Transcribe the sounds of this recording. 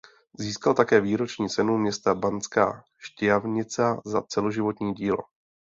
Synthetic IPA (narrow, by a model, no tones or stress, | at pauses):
ziːskalt̪akɛːviːɾo̞t͡ʃɲiːt͡sɛnumɲɛst̪abant͡ska̰ː | ʃcɪavɲɪt͡sazat͡sɛlo̞ʒɪvo̞t̪ɲiːɟiːlo